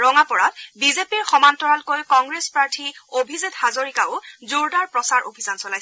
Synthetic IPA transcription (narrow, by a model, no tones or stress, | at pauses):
ɹɔŋapɔɹatbizepiɹxɔmantɔɹalkojkɔŋɡɹespaɹtʰiobʱizithazoɹikaʊzuɹdaɹpɹɔsaɹʔo̰bʱizansɔlajsɛ